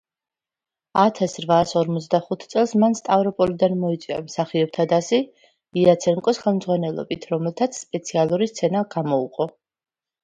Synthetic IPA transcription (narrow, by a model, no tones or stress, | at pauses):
at̪ʰasɾvaːsɔɾmɔt̪sʰd̪aχut̪ʰt̪sʼɛlˠsmanst̪ʼavɾɔpʼɔlid̪anmɔit̪sʼwia̰msaχiɔb̚t̪ʰad̪asi | iat̪sʰɛŋkʼɔsχɛlˠmd̪zʁwanɛlˠɔ̰bit̪ʰɾɔmɛlˠt̪ʰat̪sʰspʼɛt̪sʰialˠuɾist̪sʰɛnaɡ̥amɔṵqʼɔ